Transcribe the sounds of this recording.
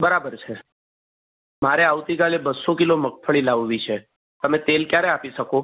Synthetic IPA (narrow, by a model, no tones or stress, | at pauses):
bəɾabəɾt͡ʃʰe | maɾeaʋt̪ikalebəsokilomək̚fʰəɭilaʋʋit͡ʃʰe | t̪əmẽt̪elkjaɾeapiʃəko